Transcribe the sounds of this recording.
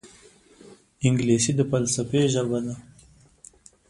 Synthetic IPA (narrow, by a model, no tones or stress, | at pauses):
ɪŋɡlesid̪əpalsapeʒəbad̪a